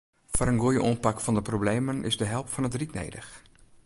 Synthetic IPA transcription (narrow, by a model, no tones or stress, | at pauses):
foɾənɡujəʔoːnpɑkfɑndəproblejmənɪ̰zdəɦɛlˠpfɑnətriknḛːdəx